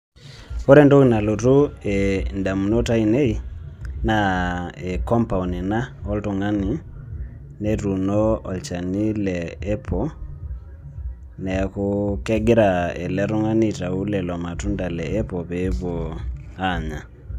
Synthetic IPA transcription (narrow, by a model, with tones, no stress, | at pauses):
ɔ˦ɾɛ˦ndo˦ki˨na˨lo˨tu˦enda˨mu˨no˦ta˦i˨ne˦i˦na˨e˨kɔ˦mpa˨u˨nɛ˨na˦ɔ˦lto˨ŋa˦ni˨ | ne˦tu˨nɔ˦ɔ˨lt͡ʃa˨ni˦lɛː˦pʰɔ˦ | nɛ˨a˨kokɛ˦ɡe˦ɾa˨ɛ̰˨lɛ˦ɾu˦ŋa˦ni˦ta˨u˦lɛ˨lɔ˨ma˨tu˦nda˨lɛ˨ɛ˦pɔ˨βe˨˦βo˨a˦ɲa˨